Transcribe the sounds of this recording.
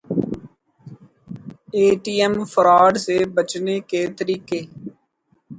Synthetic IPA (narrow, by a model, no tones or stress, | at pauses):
eːʈiːɛmfəɾaːɖsebət͡ʃneket̪əɾiːkeː